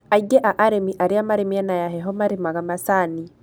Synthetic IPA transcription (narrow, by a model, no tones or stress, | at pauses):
aiɡɛʔaʔaɾemiʔaɾeamaɾemiɛnajaɦɛɦɔmaɾemaɣamasani